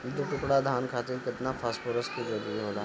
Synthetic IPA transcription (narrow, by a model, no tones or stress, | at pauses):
t̪oʈʊkɽad̪ʱaːnkʰaːt̪ɪɾkɪt̪napʰaːspoɾəskid͡ʒɐɾuɾiɦoːlaː